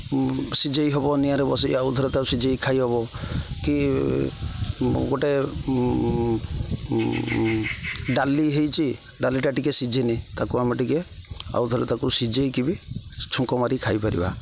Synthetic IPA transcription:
sid͡ʒejɦɔbɔnijaɾebɔsiaud̪ʱɔɾet̪akusid͡ʒejkʰajɦɔbɔki | ɡoʈe | ɖaliɦejt͡ʃʰi | ɖaliʈaʈikesid͡ʒinit̪akuamiʈikea̰ud̪ʱɔɾet̪akusid͡ʒejkibit͡ʃʰuŋkɔmaɾikʰajpaɾḭba̰

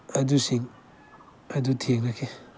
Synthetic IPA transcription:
ɐdusiŋ | ɐdutʰeŋakʰe

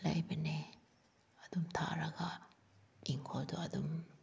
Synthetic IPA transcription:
lɐ̰jbenɛ | ad̪umt̪ʰa̰ɾaɡa | iŋkʰɔd̪ɔad̪um

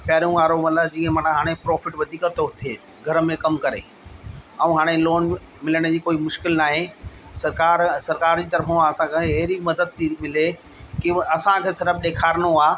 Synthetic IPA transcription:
pɛɦɾijũʋaːɾomɐt̪ləbd͡ʑĩːə̃mɐnaɦaːɽ̃epɾɔːfɪʈʋɐd̪ʱiːkət̪oɦʊt̪ʰeː | ɡʱɐɾəmẽkɐmkɐɾḛː | ɐũɦaːɽ̃eloːn | mɪləɽ̃ə̆d͡ʑiːkoːimʊʃkɪlnaːɦesɐɾkaːɾsɐɾkaːɾd͡ʑiːt̪ɐɾfõaɐsãkʰẽɦɐɦɾimɐd̪əd̪̚t̪imɪle | kiɐsãkʰeːsɐɾəb̚ɗeːkʰaːɾñoaː

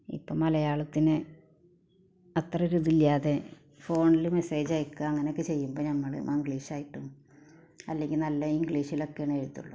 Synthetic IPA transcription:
ḭpːoːmɐlɐjaːɭɐt̪ːinɨ | ɐt̪rɐɾuðiljaːðe̞ | fo̞ːɳilume̞se̞ːd͡ʑaːjikːɨɐŋːɐneokːɨt͡ɕe̞jːumboːnɐmːɐɭɨ̰iŋɡɭiːʂaːjiʈːunːu | ɐ̰lːe̞ŋɡilnɐlːɐiŋɡɭiːʂilo̞kːeɳeɻut̪ːṵɭːo̰

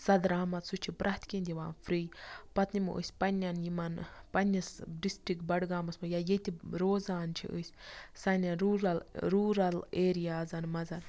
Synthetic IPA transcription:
sɐd̪ɾaːmɐt̪sut͡ʃʰipɾʔaːt̪kinʲd̪ʲiʋaːnfʰɾiːjpɐt̪nimɨ̰ʔə̰ːsʲpɐnʲjɐnjimɐnpɐnʲːɐsɖisʈɾik̚ʈ̚bɐɽɡaːmɐsmɐjajet̪ʲiɾoːzaːnt͡ʃʰḭʔə̰sʲsɐnʲaɾuːɾɐlɾuːɾɐleːɾijaːzɐnmɐzɐn

